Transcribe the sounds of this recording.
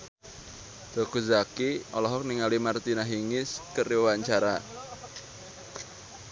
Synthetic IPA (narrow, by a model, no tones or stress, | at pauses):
d̪̥okuzakiʔɔlɔɦɔk̚niŋalimart̪inaɦiŋɪskəriwaɲt͡ʃaɾa